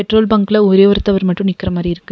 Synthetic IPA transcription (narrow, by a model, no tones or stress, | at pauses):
ɛʈroːlbɐŋɡɯlɐɔɾeːʋɐɾɯt̪ːɐʋɐɾmɐʈːɯmnɪkːɪrɐmaːd̪riɪɾɯkːɯ